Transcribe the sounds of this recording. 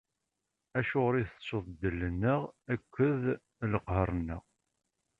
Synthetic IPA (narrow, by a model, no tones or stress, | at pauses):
æʃʊʁɾiθəsoðˤd̪ːəlːənːəʁækʷʰːəð | ləqɦərˤːənːə̰ʁ